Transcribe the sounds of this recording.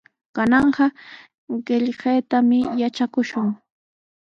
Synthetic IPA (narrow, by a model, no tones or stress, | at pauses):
kanɑɴɢɑ | ɢɪʎɢejt̪amɪjat͡ʃakʊʃʊŋ